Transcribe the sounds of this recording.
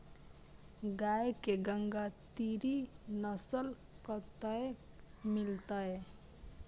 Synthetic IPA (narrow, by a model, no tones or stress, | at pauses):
ɡajkeɡəŋɡat̪iɾinəsəl | kət̪əe | milt̪əe